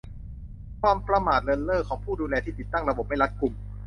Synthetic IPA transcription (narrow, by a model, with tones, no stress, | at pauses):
kʰwaː˧mpɾa˧maː˨˩t̪̚lɤː˧nlɤː˥˩kʰːɔː˩˦ŋpʰuː˥˩duː˧lɛː˧t̪ʰiː˥˩i˨˩t̪ːa˥˩ŋɾa˧bo˨˩p̚ma˥˩jla˦˥t̪̚ku˨˩m